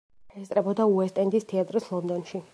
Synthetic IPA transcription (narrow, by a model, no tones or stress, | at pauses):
ɛst̪sʼɾɛbɔd̪auɛst̪ʼɛnd̪ist̪ʰɛat̪ʼɾislˠɔnd̪ɔnʃi